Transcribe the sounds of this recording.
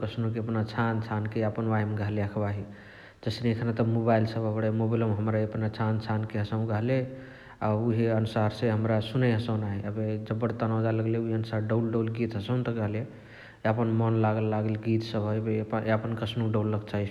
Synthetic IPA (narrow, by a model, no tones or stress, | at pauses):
kəsnokeəpnat͡ʃʰant͡ʃʰankeəpənʋajmeɡʱəɦleakʰbaɦi | d͡ʒəsnekʰnat̪əmobailsəbəbɽemobiləmɦəmɾaeəpnat͡ʃʰant͡ʃʰankeɦəsəʊ̃ɡəɦle | auɦiənusaɾseɦəmɾasuneɦəsəʊ̃naiəbed͡ʒəbːəɽt̪ənad͡ʒaləɡleuɦiənusaɾɖəʊlɖəʊlɡit̪ɦəsə̃ʊ̃nt̪əɡəɦle | əpənmənlaɡəlːaɡəlɡit̪səbɦəjbepəpənkəsʰnokɖəlːəɡt͡ʃʰaɦi